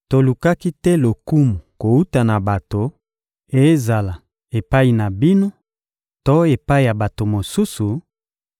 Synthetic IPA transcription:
to˨lu˨ka˦ki˦tɛ˦lo˨ku˦mu˨ko˨u˦ta˨na˨ba˨to˨ | e˨˦za˨la˨ | e˨pa˦i˨na˨bi˦no˦ | to˦e˨pa˦i˨ja˨ba˨to˨mo˨su˦su˨

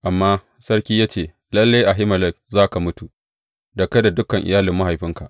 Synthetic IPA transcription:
ʔa˨mːaː˦ | sɐ˦rkʲiː˦jaː˦t͡ʃeː˦˨ | lɐ˦lːa˦jʔa˨ɦɪ˦mɐ˨lɛ˦k̚zaː˦ka˨mʊ˦tu˨ | da˨kɐ˦da˨dʊ˦kɐ˨ŋʔɪ̰˨jaː˦lɪ˨mːa˦ɦha˨jɸɪ˦ŋka˨ʔ

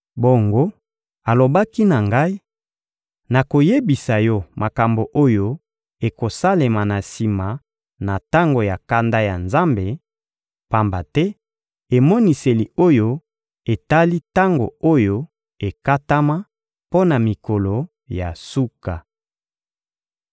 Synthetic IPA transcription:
bo˨ŋɡo˦ | a˨lo˨ba˦ki˦na˨ŋɡa˦i˦ | na˨ko˨je˦bi˨sa˨jɔ˦ma˨ka˨mbo˨ʔo˦jo˦ | e˨ko˨sa˦le˨ma˨na˨si˨ma˨ | na˨ta˦ŋɡo˨ja˨ka˦nda˦ja˨nza˦mbe˨ | pa˦mba˨tɛ˦ | e˨mɔ˦ni˨se˨li˨o˦jo˦ | e˨ta˦li˦ta˦ŋɡo̰˨o˦jo˦ | e˨ka˦ta˦ma˦ | po˦na˨mi˨ko˨lo˨ | ja˨su˦ka˨

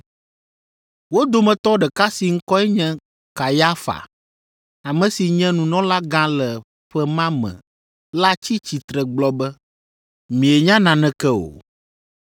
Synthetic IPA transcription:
wo˦d̪o˨mɛ̃˨t̪ɔ˦ɖɛ˨ka˦si˨ŋ̩˦kɔ˦ɛ˦ɲɛ̃˦ | ka˨ja˦fa̰˨ | a˨mɛ̃˨si˨ɲɛ̃˦nũ˨nɔ̃˦la˦ɡã˦lɛ˨ | ɸɛ˦mã˦mɛ̰̃˨ | la˦t͡ɕi˦t͡ɕi˨t̪ɾɛ˨ɡ͡blɔ˦bɛ˦ | mĩ˨e˨ɲã˦nã˨nɛ̃˦kɛ˦o̰˨

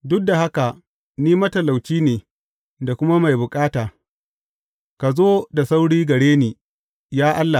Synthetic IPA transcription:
dʊ˦k̚da˨ha˦ka˨ | niː˦mɐ˦tɐ˨la˨wt͡ʃiː˦neː˨ | da˨kʷʊ˦ma˦ma˨jbʊ˨kʼaː˦taː˨ | ka˨zoː˦da˨sa˦wɽiː˦ɡɐ˨ɽeː˦neː˨ | jaː˦ʔa˦lːa˨

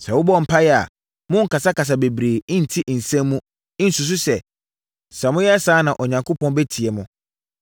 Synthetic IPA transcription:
sɛ˨wʊ˦bɔ˦m̩˨pʰa˦jɛ˦a̰˨ | mʊ̃˦ŋ̩˨ka˨sa˦ka˨s̬a˨be˨bɾẽː˨˦n̩˨tʰi˦ʔn̩˨sɛ̃˦mː˦ũ˦ | ɪ˦n̩˨su˨s̬ʊ˦sɛ˨ | sa˨mʊ̃˦jɛ˦a˦saː˨˦nã˨ʔɔ˨ɲã˨ŋkʰʊ˦pʰɔ̃˦nbɛ˦tʰi˨ɛ˨mʊ̃˦

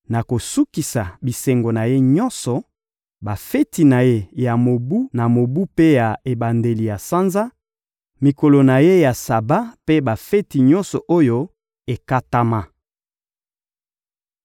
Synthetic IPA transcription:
na˨ko˨su˦ki˨sa˨bi˨sɛ˨ŋɡo˨na˨je˦ɲɔ˦nsɔ˨ | ba˨fe˦ti˨na˨je˦ja˨mo˨bu˦na˨mo˨bu˦pe˦ja˨e˨ba˨nde˨li˨ja˨sa˦nza˦ | mi˨ko˨lo˨na˨je˦ja˨sa˨ba˦pe˦ba˨fe˦ti˨ɲɔ˦nsɔ˨ʔo˦jo˦ | e˨ka˦ta˦ma˦

